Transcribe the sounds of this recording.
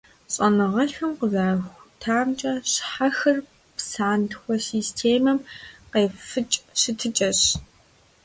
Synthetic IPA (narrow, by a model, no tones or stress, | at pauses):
ɕʼɐnɨʁɐɬɨmqəzaːxʷtʰaːmt͡ʃʼɐɕħaxɐr | psaːntʰxʷɔsiːstʰeːmɐmqeːfɨt͡ʃʼɕɪtʰɨt͡ʃʼɐɕ